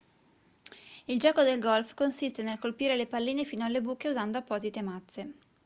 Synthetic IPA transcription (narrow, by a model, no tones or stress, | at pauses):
ild͡ʒɔːkod̪elɡɔlfkonsist̪enelkolpiːɾelepalːiːnefiːnoalːebuːkːeuzand̪oapːɔːzit̪emat̪sːe